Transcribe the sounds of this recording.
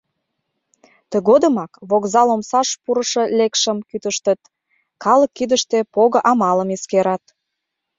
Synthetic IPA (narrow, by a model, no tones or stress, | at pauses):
t̪ə̆ɣod̪əmɑkβoɣzɑlomsɑʃpuɾə̆ʃɤ̆lekʃəmkyt̪əʃt̪ət̪ | kɑləkːyd̪əʃt̪epoɣə̆ʔɑmɑləmeskeɾɑt̪